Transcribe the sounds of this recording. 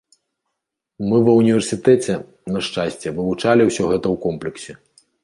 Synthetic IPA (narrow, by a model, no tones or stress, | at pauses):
mɨwɐwnʲivʲɛrsʲɨt̪ɛt͡sʲɛ | nɐʂt͡ʂasʲt͡sʲɛvɨvut͡ʂalʲiwsʲɔɣɛt̪ɐwkɔmplʲɛksʲɛ